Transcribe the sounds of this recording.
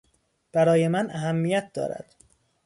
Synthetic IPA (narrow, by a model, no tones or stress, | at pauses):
b̥æɾɒːje̞mænæɦæmːijæt̪̚d̪ɒ̰ːɾæ̰d̪̥